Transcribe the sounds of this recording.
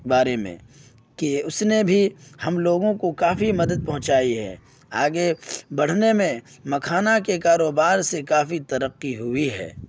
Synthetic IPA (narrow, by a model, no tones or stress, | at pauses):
baːɾemḛ̃ | keʊsnebʱihɐmloːɡõkokaːfimɐd̪əd̪̚pɐɦʊ̃t͡ʃaːiɦɛ̰ː | aːɡebɐɽ̤nemẽ | mɐkʰaːnakekaːɾoːbaːɾsekaːfit̪ɐɾəqːiɦʊiɦɛ̰ː